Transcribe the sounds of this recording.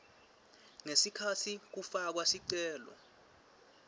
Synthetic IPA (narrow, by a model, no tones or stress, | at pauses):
ŋesikʰatʰik̬ufak̬wasiǀɛːlɔ̰